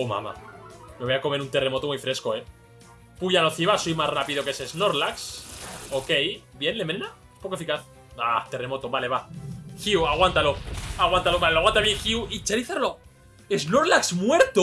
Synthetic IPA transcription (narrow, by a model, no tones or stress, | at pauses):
oma̰ma̰meβojako̞me̞ɾunt̪e̞re̞mo̞t̪o̞mujfɾeskoe | puʝaloθiβasojmasrapiðo̞keseznoɾlaksoke̞jbje̞nlemnena | espokofikaθ | at̪e̞re̞mo̞t̪oβale̞βaxiuaɣ̞want̪aloaɣwant̪aloβaleloaɣwant̪aβjeŋxiuit͡ʃeɾiθeɾlo̞ | eznoɾlaksmwe̞ɾt̪o